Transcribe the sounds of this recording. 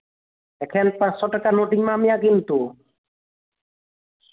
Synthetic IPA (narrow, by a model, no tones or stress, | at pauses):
ɛkʰɛnpãssɔʈakanoʈiŋmãmijakint̪u